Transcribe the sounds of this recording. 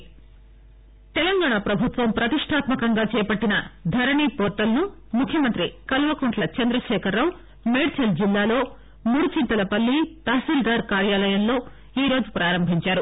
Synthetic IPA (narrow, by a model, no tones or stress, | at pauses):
t̪ɛlɐŋɡaːɳaːpɾɐbʱut̪ʋɐmpɾɐt̪iʂʈʰaːt̪mɐkɐŋɡaːt͡ʃɛːjɐpɐʈːinɐd̪ʱɐɾɐɳiːpoːɾʈ̪ːɐlɐnu | mukʰjɐmɐnt̪ɾikɐlʋɐkoɳʈlɐt͡ʃɐnd̪ɾɐʃɛːkʰɐɾːɐːw | meːɽt͡ʃɐld͡ʒilːaːlo̞ː | muːɽut͡ʃint̪ɐlɐpɐlːit̪aːsild̪aːɾkaːɾjaːlɐjɐnlo̞ː | iːɾo̞ːd͡ʒupɾaːɾɐmbʱiɲt͡ʃaːɾu